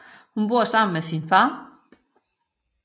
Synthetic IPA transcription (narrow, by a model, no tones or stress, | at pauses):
hunb̥oɐ̰sɑ̈m̰n̩mesinfɑ̈ː